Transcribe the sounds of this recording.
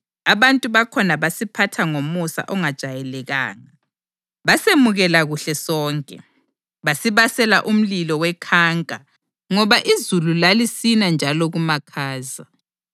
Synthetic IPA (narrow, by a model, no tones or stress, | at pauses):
aβantʼuβakʰɔnaβasipʰatʰaŋomusa̰ʔɔŋad̥ʒ̥ʱajɛlɛɣa̰ːŋa | βasemuɣɛlaɣuɬɛsɔːŋkʼɛ̰ | βasiβasɛlaʔum̩lilɔwɛkʰaːŋkʼa | ŋɔβaʔizululalisinand͡ʒʱalɔɣumakʰaːza